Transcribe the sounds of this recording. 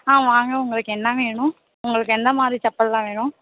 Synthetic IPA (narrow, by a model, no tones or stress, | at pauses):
aːʋaːŋɡɐʊŋɡɐɭɯkːɯɛnːɐʋeːɳʊ̃ | ʊŋɡɐɭɯkːɯɛnd̪ɐmaːðɾit͡ʃɐpːɐllãːʋeːɳʊ̃